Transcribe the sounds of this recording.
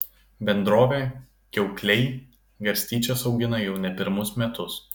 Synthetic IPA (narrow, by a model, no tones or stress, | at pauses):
bʲɛnd̪ɾoːʋʲeː | kʲɛʊklʲɛɪ | ɡɐɾʲsʲt̪ʲiːt͡ʃʲɛsɒʊɡʲɪnɐjɛʊnʲɛpʲɪɾmʊsmʲɛt̪ʊs